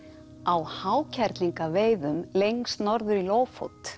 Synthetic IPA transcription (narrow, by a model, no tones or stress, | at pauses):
awhaːwcʰɛɾt̪liŋkaveːjðʏmlejŋst̪nɔɾðʏɾiloːwfo̰wt̪